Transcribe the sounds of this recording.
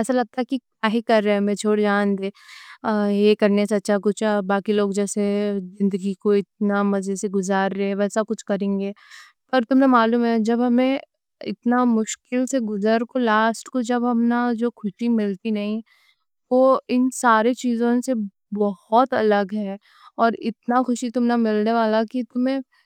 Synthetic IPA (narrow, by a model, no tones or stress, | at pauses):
ɛːsalɐɡ̚t̪aɦɛkikaːɦikɐɾːeɛmẽt͡ʃʰoːɽd͡ʒaːnd̪eː | jekɐɾnesɐt̪ːʃʰakʊt͡ʃʰbaːkiloːɡd͡ʒɛːsezɪ̃nd̪əɡikoɪt̪̚namɐzeseɡʊzaːɾːɛɦɛ̃ʋɛːsakʊt͡ʃʰkɐɾẽːŋɡeː | pɐɾt̪ʊmnemaːluːmɦɛd͡ʒɐbɦɐmẽ | ɪ̰t̪namʊʃkɪlseɡʊzəɾkolaːsʈkod͡ʒɐbɦɐmnad͡ʒoːxʊʃimɪlt̪inɐɦĩ | ʋoɪnsaːɾet͡ʃiːzõse | bɔhɔt̪ɐləɡɦɛː | ɔːɾɪ̰t̪̚naxʊʃit̪ʊmnamɪlneʋaːlakit̪ʊmɦẽ